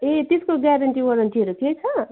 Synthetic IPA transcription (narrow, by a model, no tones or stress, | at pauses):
et̪eskoɡaɾɐɳʈiwʌɾɐɳʈiɦʌɾuket͡sʰʌ